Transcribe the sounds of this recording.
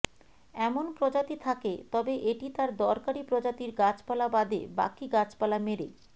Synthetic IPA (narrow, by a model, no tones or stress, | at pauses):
ɛmonpɾod͡ʑat̪it̪ʰaket̪ɔbeʔeʈit̪aɾd̪ɔɾkaɾipɾod͡ʑat̪iɾɡat͡ɕpalabad̪ḛba̰kiɡat͡ɕpalameɾḛ